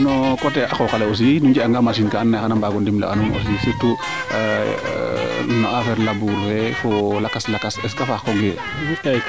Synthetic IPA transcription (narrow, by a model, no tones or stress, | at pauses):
nɔkɔtɛakɔkalɛos̬iinuɲd͡ʒiaŋɡamas̬inkaanːaxanambaɡɔndimla̰ʔa̰nuno̰sisetːu | nɔafɛɾlabuɾɛfolakaslakasɛskafakɔɡɛ | uta